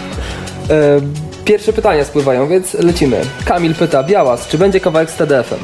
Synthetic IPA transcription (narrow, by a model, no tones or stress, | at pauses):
pʲjɛɾfʂɛpɘt̪aɲaspwɘvajɔ̃w̃vʲjɛnt̪slɛt͡ɕimɘ̰kamʲilpɘt̪abʲjawast͡ʂɘbɛɲd͡ʑɛkavawɛkst̪ɛd̪ɛɛfɛ̰m